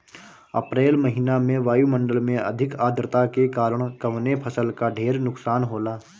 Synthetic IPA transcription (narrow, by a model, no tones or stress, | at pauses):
ɐ̰pɾeːlməɦɪnamẽʋaːjumə̃ɳɖəlmẽʔɐ̰d̪ʱɪkaːd̪ʱɾɪt̪akekaːɾəɽ̃kɐʋnepʰəsəlkaɖʱeːɾnʊksaːnɦoːlaː